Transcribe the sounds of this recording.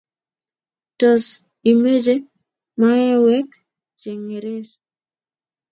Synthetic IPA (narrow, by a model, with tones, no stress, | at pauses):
tɔ˨s | i˨me˦d͡ʒe˦ | ma˦jɛ˦wɛ˦k | t͡ʃe˨ŋe˨ɾe˦ɾ